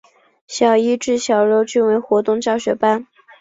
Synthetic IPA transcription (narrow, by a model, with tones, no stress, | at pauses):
ɕjɑ˨˩ʊi˥ʈ͡ʂɻ̩˥˩ɕjɑ˨˩ʊɻo˧˥ʊt͡ɕy˥˧nwe˧˥ɪxwɔ˧˥t̪ʊ˥˧ŋt͡ɕjɑ˥˩ʊɕɥɛ˧˥pa˥n